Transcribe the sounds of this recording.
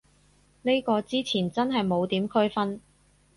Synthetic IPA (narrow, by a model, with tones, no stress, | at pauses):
ne˥kɔː˧t͡siː˥t͡sʰiː˨˩nt͡sɐ˥nɦɐ˨jmo˨˧wt̪iː˨˥mkʰɵ˥ɥfɐ˥n